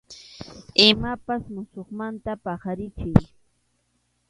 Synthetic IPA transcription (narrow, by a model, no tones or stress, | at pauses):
ɪmapasmʊsoχmant̪apɑχaɾɪt͡ʃɪj